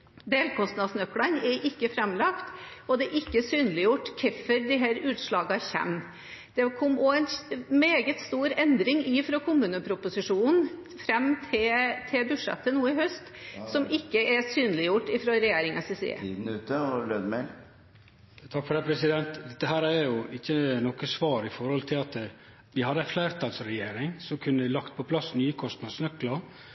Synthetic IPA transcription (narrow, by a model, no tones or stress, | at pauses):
d̪eːlkʰɔst̪nɑd̪snœkːlɑnɛɾʔɪkːəfɾɛmlɑkt̪ɔd̪ɛʔɪkːəsyːnəlɪjʊʈːkʰɪfːəɾd̪ɪɦæːɾʉːt̪ʂɭɑːɡɑçɛ̰mː | d̪̥ɛkʰɔmːoɛnmeːɡət̪st̪uːɾɛnd̪ɾɪŋɪfɾokʰʊmʉːnəpʰɾʊpʊsɪʂuːnn̩ | fɾɛmːt̪ʰɪt̪ʰɪlbʉʂɛ̰t̪ːənuːɪhœst̪sɔmʔɪkːəʔɛɾsyːnəlɪjʊʈːɪfɾɑːɾɛjeːɾɪŋɑsesḛːd̪n̩ʉːt̪əløːd̪mɛl | t̪ʰɑkːfɔɖɛpʰɾɛsɪd̪ɛnt̪d̪ɛt̪ːəɦæːɾææɾjʊɪçːənɔkəsʋɑːɾɪfɔɾhɔlt̪ʰɪlɑt̪ | ʋ̪ɪhɑd̪ːəæflæɪɾt̪ʰɑlsɾɛjeːɾɪŋsɔmkʰʉnːəɪlɑkt̪̚pʰɔpʰlɑsnyːəkʰɔst̪nɑsnœkːlɑ